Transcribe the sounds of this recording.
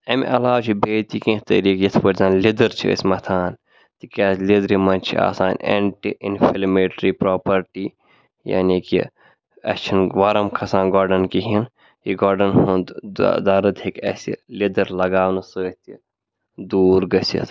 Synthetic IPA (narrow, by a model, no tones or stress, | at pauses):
ɐmiʔɐlaːwt͡ʃʰibeːt̪ikĩt̪ɐɾiːkjɐt̪ʰfɐɾʲzʲãːmlid̪ɐɾt͡ʃʰḭə̰sʲmɐt̪ʰaːn | t̪ikʲaːlid̪ɾimɐnt͡ʃʰḭa̰ːsaːnʲḛːɳʈiʔḭnfʰilmeʈɾipɾoːpɐɾʈiː | ja̰ːnikḭ | ɐ̰t͡ʃʰinʋaɾɐmkʰɐsãːnɡɔːɾɖɐnkiɦin | jiɡaːɾɖɐnhund̪d̪aːɾɐt̪ʰikɐ̰sḭlid̪ɐɾlɐɡaːwnɐsəːt̪i | d̪uːɾɡɐsḭt̪ʰ